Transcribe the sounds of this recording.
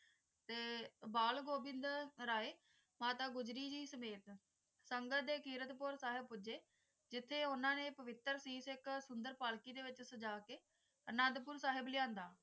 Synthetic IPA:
t̪eːbaːlɡoːbɪnd̪ɾaːeː | maːt̪aːɡʊd͡ʒɾiːd͡ʒiːsəmeːt̪ | səŋɡətd̪eːkiːɾət̪pʊɾsaːɦɪb̚pʊd͡ʒeː | d͡ʒɪt̪ʰːeːʊnãːneːpəʋɪt̪ːəɾsiːsɪksʊnd̪əɾpaːlkiːd̪eːʋɪt͡ʃsəd͡ʒaːkeː | ənə̃nd̪pʊɾsaːɦɪblɪjãːnd̪aː

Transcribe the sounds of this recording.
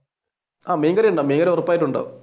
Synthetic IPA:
aːmiːŋɡɐɾɐjuɳɖaːmiːŋɡɐɾeurɐpːaːjiʈ̬ːuɳɖa̰ːʋ̰

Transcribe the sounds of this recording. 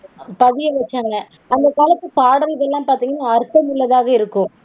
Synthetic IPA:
pɐðɪjɐʋɐt͡ʃːaːŋɡɐ | ɐnd̪ɐkaːlɐt̪ːɯpaːɽɐɾɯðɛlːãːpaːɾt̪iːŋɡɐnːaɐɾkɐmʊɭːɐðaːɣɐɪɾɯkːʊ̃

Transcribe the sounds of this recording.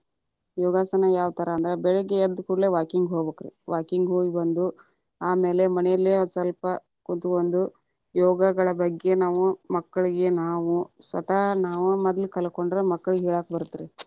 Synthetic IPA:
jɔːɡaːsɐnɐjaːʋt̪ɐɾɐːnd̪ɐɾebɛɭeɡeɐd̪ːukuɽleːʋaːkiŋɡɦoːbɐːkɐɾḭʋaːkiŋɡɦoːɡibɐnd̪u | aːme̞ːle̞mɐnɛjɐlːesɐlpɐ | kont̪uond̪u | jɔːɡɐɡɐɭɐbɐɡːe̞naːʋumɐkːɐɭiɡe̞naːʋusɐ̰t̪anaːʋumɐd̪ɐlikɐlɐko̞ɳɖɾemɐkːɐɭuɡɦɛːɭaːkbɐɾut̪ːiɾe

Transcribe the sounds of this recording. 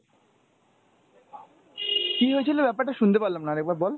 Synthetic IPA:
kiɦoet͡ɕʰilebɛpaɾʈaʃunt̪epaɾlamnaɾɛk̚baɾbɔl

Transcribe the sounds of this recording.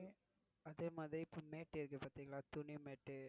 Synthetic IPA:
ɐðeːmaːðɪɾiɪpːoːmeːʈːɪɾɯk̬ːɯpaːɾt̪iːŋɡɐɭaːt̪ʊnimeːʈːɯ

